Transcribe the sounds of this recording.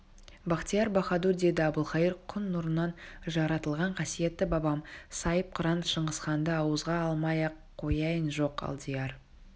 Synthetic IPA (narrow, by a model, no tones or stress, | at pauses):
bɑqt̪ijɑɾbɑχɑd̪uɾd̪e̞d̪ɪɑbʊlˠχɑjəɾqʰʊnːʊɾənːɑnʒɑɾɑt̪əlˠʁɑɴqʰɑsije̞t̪ːɪbɑbɑmsɑjəp̚qʰʊɾɑnt̪ʃəɴʁəsχɑnd̪əɑwəzʁɑɑlˠmɑjɑqʰːo̞jɑjənʒo̞qɑ̰lˠd̪ʲijɑr